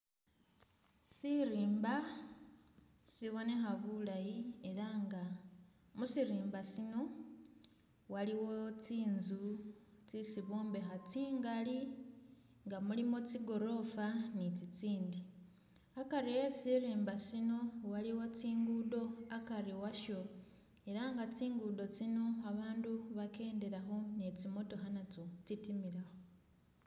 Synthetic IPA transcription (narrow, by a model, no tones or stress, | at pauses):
siɾiːmba | siβo̞ne̞xaβulajie̞ɾaŋɡa | musiɾiːmbasino̞ | waliwo̞t͡siːnzut͡sisiβoːmbe̞xat͡siːŋɡali | ŋɡamulimo̞t͡siɡo̞ɾo̞fanit͡sit͡siːndi | akaɾijesiɾeːmbasino̞waliwot͡siːŋɡudo̞akariwaʃo̞ | eɾaŋɡat͡siːŋɡudo̞t͡sino̞aβaːnduβake̞ːndeɾaxo̞ne̞t͡simo̞to̞ɦanat͡sot͡sitimiɾaxo